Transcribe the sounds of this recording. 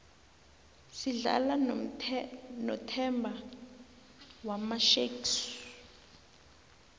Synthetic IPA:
siɮa̰la | nɔtʰɛmbʱa | wamaʃeks

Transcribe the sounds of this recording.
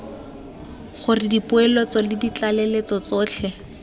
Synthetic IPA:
χʊrɪdipʊɛlot͡sɔlɪdit͡ɬalɛlet͡sɔt͡sɔːt͡ɬʰɛ

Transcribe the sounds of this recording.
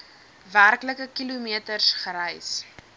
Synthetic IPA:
værkləkəkilumiətərsχəɾɛjs

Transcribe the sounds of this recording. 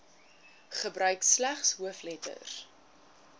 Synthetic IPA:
χəbrœɥkslæχsɦuəflɛtə̰r

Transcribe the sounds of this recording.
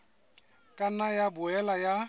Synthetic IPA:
kʼanajabʊɛlaja

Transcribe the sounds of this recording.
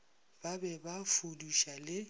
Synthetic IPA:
b̥abɛbafuduʃalɪ

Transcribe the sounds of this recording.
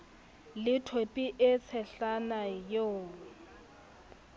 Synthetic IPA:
lɪtʰopʼiʔɪt͡sʰɛɬanajo

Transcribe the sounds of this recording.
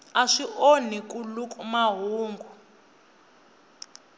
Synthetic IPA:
aʂiʔonikʼulukʼumaɦuːŋɡʱu

